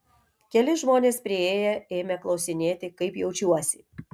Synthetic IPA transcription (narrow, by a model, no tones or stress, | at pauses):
kʲɛlʲɪʒmoːnʲeːspʲɾʲɪeːjɛeːmʲɛklˠɒʊsʲɪnʲeːt̪ʲɪkɐɪpjɛʊt͡ʃʲuɔsʲɪ